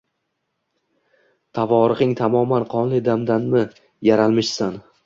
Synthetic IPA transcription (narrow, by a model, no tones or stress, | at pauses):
t̪ʰavɒɾɨqɪŋt̪ʰamɒmanqʰɒnlˠɪd̪amd̪anmɪ | jaɾalˠmɪʃsan